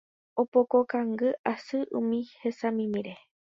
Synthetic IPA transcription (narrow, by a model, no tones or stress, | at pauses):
opokokaŋɡɨʔasɨʔũmĩhesamĩmĩɾe